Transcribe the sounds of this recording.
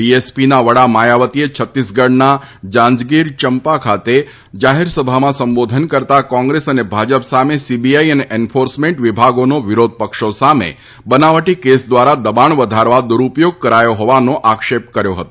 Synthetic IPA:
iespinaʋəɽamajaʋət̪iet͡ʃʰət̪ːisɡəɽnad͡ʒãɲd͡ʒɡiɾt͡ʃəmpakʰat̪e | d͡ʒaɦeɾsəbʱamãsə̃mbod̪ʱənkəɾt̪akɔ̃ŋɡɾesənebʱad͡ʒəpsamesibiaiəneʔenfʰoɾsmẽɳʈʋibʱaɡonoʋɪɾod̪̚ʱpəkʃosamḛ | bənaʋəʈikesd̪ʋaɾad̪əbaɳʋəd̪ʱaɾʋad̪uɾupjoɡ̚kəɾajoɦɔʋanoʔakʃep̚kəɾjoɦət̪o

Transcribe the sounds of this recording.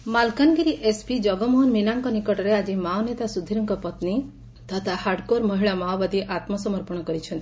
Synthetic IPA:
malkanɡiɾiʔespid͡ʒɔɡɔmɔɦɔnminaŋkɔnikɔʈɔɾead͡ʒimawnet̪asud̪ʱːiɾɔŋkɔpɔt̪ni | t̪at̪ʰahaɾɖkoɾmɔɦiɭamawbad̪iʔat̪mɔsɔmɔɾpɔɽ̃ɔkɔɾit͡ʃʰɔnt̪i̥

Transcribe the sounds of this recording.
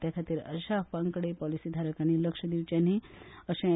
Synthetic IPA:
t̪jakʰat̪iɾə̰ʃapaŋkəɽepɔlisid̪ʱaɾəkaniləkʂəd̪iʋt͡ɕaniəʃã

